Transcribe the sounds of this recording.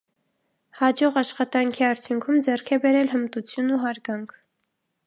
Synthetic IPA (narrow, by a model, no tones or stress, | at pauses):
hɑd͡ʒɔʁɑʃχɑt̪ɑŋkʰiɑɾt͡sʰjuŋkʰumd͡zɛrkʰɛbɛɾɛlɦəmt̪ut͡sʰjunuɦɑɾɡɑŋkʰ